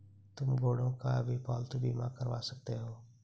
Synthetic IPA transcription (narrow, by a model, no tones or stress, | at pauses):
t̪ʊmɡoːɽõːkabʱipɔːlt̪biːmakəɾʋaːsək̚t̪eɦoː